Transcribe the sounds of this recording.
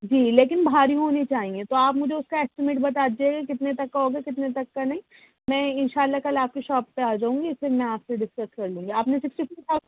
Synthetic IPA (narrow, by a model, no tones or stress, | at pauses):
d͡ʒiːleːkɪnbʱaːɾiɦoːnit͡ʃaːɦĩet̪oaːpmʊd͡ʒʱeʊskaɛːsʈɪmeːʈbɐt̪aːd͡ʒeːɡakɪt̪net̪ɐkːaɦoːɡakɪt̪net̪ɐkːanɐɦĩ | mɛ̃ːɪnʃaːlːakɐlaːp̚kiʃɔːpːeaːd͡ʒaːũŋɡiɪsemɛ̃aːpseɖɪskəskɐɾlũːŋɡiaːpnesɪksʈifia